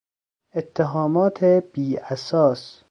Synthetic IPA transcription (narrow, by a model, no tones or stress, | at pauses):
et̪ʰːeɦɒːmɒːt̪ʰeb̥iːæsɒːs